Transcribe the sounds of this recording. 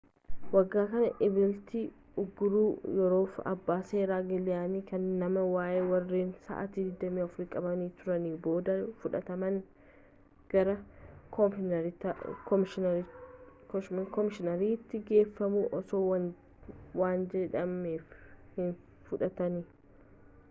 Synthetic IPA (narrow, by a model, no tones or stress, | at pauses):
wɐɡːaːkɐnɐʔɪbɪlt̪i | ʊɡːʊɾuːjɔɾo̞ːfɐ̰bːaːseːɾaːɡɪlɪaːniːkɐnːɐmɐwaːʔeːwɐrːiːnsa̰ʔa̰t̪iːd̪ɪd̪ːɐmiːɐfɾikʼɐbɐniːt̪ʊɾɐniːbo̞ːd̪ɐfʊᶑɐt̪ɐmɐŋ | ɡ̥ɐɾɐkɔɾkɔɪʃ | kɔmɪʃɪnɐɾiːt̪ːɪɡe̞ːfːɐmuːʔɔsoːw | waːnd͡ʒɛᶑɐmeːfhɪn | fʊᶑɐt̪ɐniː